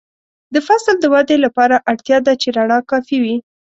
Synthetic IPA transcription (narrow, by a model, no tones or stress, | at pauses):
d̪əfasld̪əwad̪elapɑɾaʔaɽt̪jɑd̪at͡ʃeɾaɳɑkɑfiwi